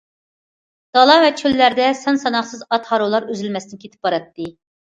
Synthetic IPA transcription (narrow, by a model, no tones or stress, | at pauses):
d̪̥ɑlˠɑvɛt͡ʃʰølːæɾd̪ɛsɑnsɑnɑχsɨzɑt̪hɑɾolˠɑɾøzɪlmɛsnɪnkʲʰet̪ʰɪ̥p̚bɑɾɑt̪ːɨ